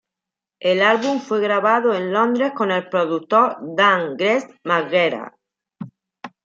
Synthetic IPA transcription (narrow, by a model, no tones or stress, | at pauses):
elalβuɱfweɣɾaβaðoenlond̪ɾehkonelpɾoðut̪oɾd̪aŋɡɾesmaɣeɾa̰